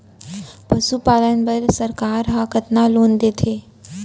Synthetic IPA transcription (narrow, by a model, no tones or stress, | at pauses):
pəsupaːlənbəlsəɾkaːɾɦakət̪naloːnd̪eːt̪ʰe